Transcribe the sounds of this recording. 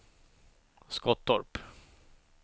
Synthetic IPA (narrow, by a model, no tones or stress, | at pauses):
skɔt̪̚d̪ɔɾp